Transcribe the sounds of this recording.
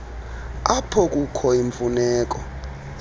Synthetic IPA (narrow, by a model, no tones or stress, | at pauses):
apʰɔkʼukʰɔiɱfunɛːk̬ʼɔ